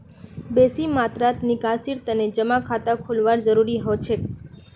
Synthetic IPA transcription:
besimat̪ɾat̪nikasiɾt̪əned͡ʒəmakʰat̪akʰulʋaɾd͡ʒəɾuɾiɦot͡ʃʰe

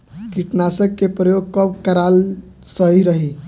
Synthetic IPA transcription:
kiʈnasəkːepɾəjoɡ̚kɔbkəɾal | səɦiɾəɦi

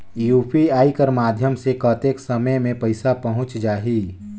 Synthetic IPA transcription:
juːpiaːikəɾmaːd̪ʱjəmsekət̪eksəməjmẽpəɪsapəɦʊ̃t͡ʃd͡ʒaːɦiː

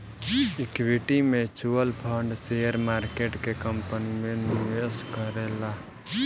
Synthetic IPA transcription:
ikwiʈimet͡ʃuəlpʰəɳɖseəɾmaɾkeʈkekəmpənimeniʋeskəɾela

